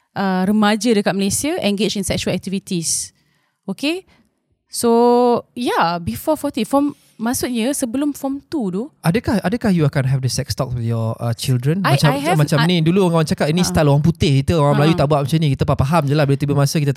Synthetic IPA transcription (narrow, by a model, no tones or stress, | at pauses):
ʔəɾəmad͡ʒədəkat̪̚məlesiəʔɛ̃ŋɡet͡ʃĩnsɛk̚ʃuəlɛk̚t̪ivit̪is | oke | sojabifɔfɔt̪ifɔmː | asut̪̚ɲəsəbəlʊmfɔmt̪uduadəkahadəkahjuakanɦɛvdəsɛkstɔk̚wiθjɔə̰t͡ʃildɾənmat͡ʃajɛmat͡ʃamnĩduluaŋowaŋt͡ʃakat̪̚inĩsst̪alowaŋput̪ɪhkit̪əoaməlajut̪aʔbuwat̪̚mat͡ʃamnĩkit̪əpapaɦamd͡ʒəlahbilət̪ibəmasəkit̪at̪